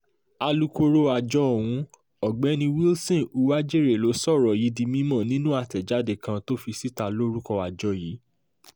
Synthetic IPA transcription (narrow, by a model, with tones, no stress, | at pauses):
a˧lu˧ko˧ɾo˧a˨d͡ʒɔ˧˦o˨w̃ũ˧˦ | ɔ˨ɡ͡bɛ˨˦nĩ˧wi˦lsɔ̃˦˨u˧˦wa˦d͡ʒe˦˨ɾe˨lo˨˦sɔ˦˨ɾɔ˨ji˨˦di˧mĩ˦mɔ̃˦˨nĩ˦nũ˦a˦˨tɛ˨d͡ʒa˨˦de˦˨kã˧to˦fi˧si˦˨ta˧lo˦ɾu˦kɔ˧a˨d͡ʒɔ˧jiː˨˦